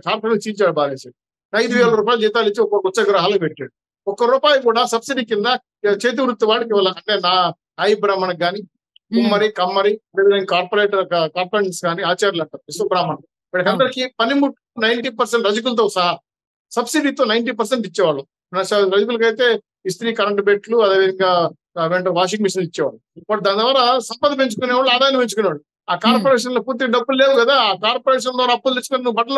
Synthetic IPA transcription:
t͡ʃaːɾpɐnɐkt͡ʃiːt͡ʃaːɽubaːleːsaːɽu | nɐjd̪uʋɛːɭɐɾuːp̬aːjilud͡ʒiːt̪aːlit͡ʃːiɔkɐkut͡ʃɐɡɐɾɐɦaːlɐkbeʈːaːɽu | ɔkɐɾuːpaːjukuːɽaːsɐbsiɖiːkind̪ɐ | t͡ʃeːt̪̬iʋɾut̪ːuʋaːɽɐkiʋɐlːɐɐɳʈeːnaː | naːjibɾaːmɐnɐkːaːni | kumːɐɾikɐmːɐɾiɐd̪eːd̪ɐɾɐnkaːɾpoɾeːʈɐɐkɐkaːɾpoɾeɳsɡaːniaːt͡ʃaːɾjɐlɐɳʈaːɾuisɐbɾaːmɐnɐ | mɐʈikɐnd̪ɐɾikipɐnimuʈːunɐjɳʈiːpɐɾseɳʈɾɐd͡ʒɐk̬ulɐt̪̬oːsɐɦɐ | sɐbsiɖiːt̪o̞ːnɐjɳʈiːpɐɾs̬eɳʈit͡ʃːɛːʋaːɭːu | nɐsɐɾɐd͡ʒɐk̬ulɐk̬ɐjt̪e̞ː | ist̪ɾiːkɐɾɐɳʈbeːʈluɐd̪eːʋid̪ɐŋɡaː | ʋeɳʈɐʋaːʃ̬iŋɡmiʂɐnit͡ʃːɛːʋa̰ːɭːupɐd̪aːnd̪ʋaːɾaːsɐmpɐd̪ɐpeɲt͡ʃukuneːʋaːɭːuaːd̪aːjɐnɐpeɲt͡ʃukuneːʋaːɭu | aːkaːɾpoɾeːʂ̬ɐnloːpuːɾt̪̬iɡɐɖɐbːulle̞ːʋuɡɐd̪aːkaːɾpoɾeːʂ̬ɐnd̪ʋaːɾaːpːuld̪it͡ʃukunnubɐʈɐlo

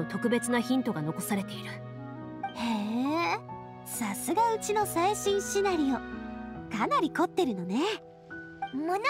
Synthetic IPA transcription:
ot̪o̞kɯ̟be̞t͡sɨnaçĩnt̪o̞ɡano̞ko̞saɾe̞t̪e̞iɾɯ̟ | he | sasɨɡaɯ̟t͡ɕino̞saiɕĩɰ̃ɕinaɾʲio̞kanaɾʲiko̞t̪ːe̞ɾɯ̟no̞ne̞ | mɯn

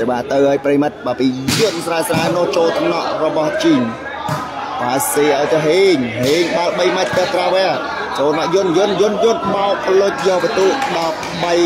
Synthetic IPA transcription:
seɓaːt̪ɨwʔaɔjprəjmɨt̪̚ɓaːpiːjʊ̆ənsraəsraənʊ̆əht͡ɕoːlt̪ʰnɑʔrɔɓɑht͡ɕiːn | paːseːʔaɔjt̪əɦeːɲɦeːɲɓalɓəjmac̚t̪ɨht̪raʋɛəl | t͡ɕoːlʰnɑʔjʊənjʊənjʊ̆njʊ̆ənʰmaɔʔpʰlʊc̚jɔːʋət̪uːʔɗɑ | ɓəj

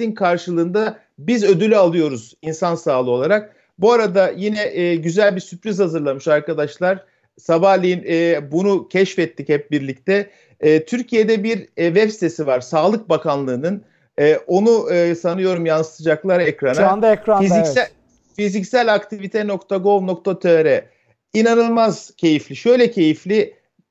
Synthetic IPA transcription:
inkʰaɾʃɯlˠɯːnd̪a | bizø̞d̪ylʲyalˠɯjo̞ɾuzinsansaːlˠɯo̞lˠaɾak̚ | buaɾad̪ajinɛʔːɟyzælʲbiɾsypɾizhazɯɾlˠamɯʃaɾkad̪aʃlˠaɾ̥ | sabahlʲijinɛbunucʰɛʃfɛt̪ʰːichɛp̚biɾlʲic̚t̪ʰɛː | t̪ʰyɾcʰijed̪ɛbiɾvɛpsi̥t̪ʰe̞sivaɾ̥saːlˠɯk̚bakʰanlˠɯːnɯn | ɛːʔo̞nusanɯjo̞ɾumjansɯ̥t̪ʰɯd͡ʒaklˠaɾɛkɾanaad̪ɛkɾafizisæ | fizicsælʲakt̪ʰivit̪ʰɛno̞kt̪ʰaɡo̞lˠnok̚t̪ʰat̪ʰɛɾɛ | inanɯlˠmaz̥cʰe̞jiflʲiʃø̞jlʲɛcʰe̞jiflʲɪ

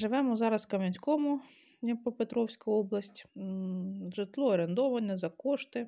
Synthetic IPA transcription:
ʒɪʋɛmɔzɑɾɐskɐmʲɐnʲsʲkɔmʊ | ɛpɔpet̪ɾɔwsʲkɐɔblˠɐsʲtʲ | ʒɪt̪lˠɔɔɾend̪ɔʋɐnʲɛzɐkɔʃt̪ɪ

